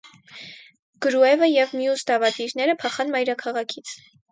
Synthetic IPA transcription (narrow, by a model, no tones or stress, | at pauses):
ɡ̥əɾuɛvəjɛvmjusd̪ɑvɑd̪iɾnɛɾəpʰɑχɑnmɑjɾɑkʰɑʁɑkʰit͡sʰ